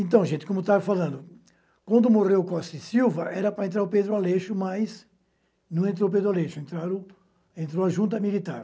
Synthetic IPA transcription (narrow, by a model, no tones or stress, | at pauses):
ẽnt̪̬ɐ̃w̃ʒẽnt̪ɪkõmʊt̪avɐfalɐ̃nd̪ʊ | kwɐ̃nd̪ʊmoʁewkɔst̪siwvɐʔɛɾɐpɾɐẽnt̪̬ɾaɾʊped̪ɾʊaleʃʊmɐjs | nɐ̃w̃ẽnt̪̬ɾowp̬ed̪ɾaleʃʊẽnt̪ɾaɾʊ | ẽnt̪ɾowɐʒũnt̪̬ɐmilit̪aɾ